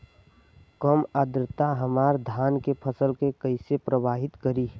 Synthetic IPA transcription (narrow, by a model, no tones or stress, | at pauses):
kəməd̪ɾət̪aɦəmaːɾd̪ʱaːnkepʰəsəlkekəɪsepɾəbaːɦɪt̪kəɾiː